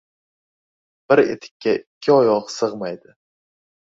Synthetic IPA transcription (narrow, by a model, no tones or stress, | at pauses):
b̥ɪɾḛt̪ʰɪ̥kʲːaɪkʲʰːɪɒjɒqsɨʁmajd̪ɪ